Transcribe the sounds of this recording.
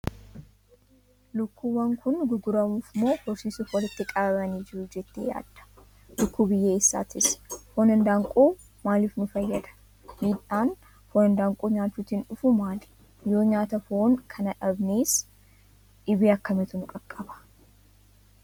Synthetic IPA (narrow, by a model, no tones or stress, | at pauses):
lʊkːuːwɐŋkʊnɡʊɡʊɾɐmuːfmo̞ːhɔɾsiːsʊfwɔlɪt̪ːɪkʼɐbɐbɐniːd͡ʒɪɾʊd͡ʒɛt̪ːeːja̰ːd̪̥ːɐ̥ | lʊkːuːbɪjːeːɪsːa̰ːt̪ɪsfoːnɐnd̪aːŋkʼuː | maːliːfnʊfɐjːɐd̪ɐ̥ | miːᶑaːn | foːnɐnd̪aːŋkʼuːɲaːt͡ʃ̪ːuːt̪inᶑʊfʊmaːl | jo̞ːɲaːt̪ɐfoŋkʰɐnɐᶑɐbneːs | ᶑɪbiːɐkːɐmɪt̪ʊnʊkʼɐkʼːɐbɐ̥